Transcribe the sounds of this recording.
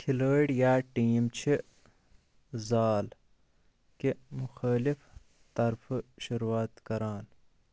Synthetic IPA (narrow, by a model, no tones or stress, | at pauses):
kʰiləːɖjaːʈiːmt͡ɕʰi | zaːl | kemuxaːlif | t̪ɐɾfɨʃuɾwaːt̪kɐɾaːn